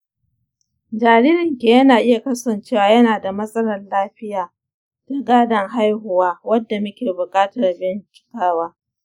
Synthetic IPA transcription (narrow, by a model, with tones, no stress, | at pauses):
d͡ʒaː˨ɾiː˦ɾɪ˨ŋkʲeː˨jɐ˦naː˨ʔɪ˦ja˨kɐ˦sɐ˨nt͡ʃeː˦waː˨jɐ˦naː˨da˨mɐ˦sʼɐ˦lɐ˨rlaː˦ɸɪ˦jaː˨ | ta˨ɡaː˦dɐ˨ŋɦa˦jɦʊ˨waː˦wɐ˦dːa˨mɐ˦kʲeː˨bʊ˨kʼaː˦tɐ˨rbɪ˦nkʲɪ̥˦kaː˦waː˦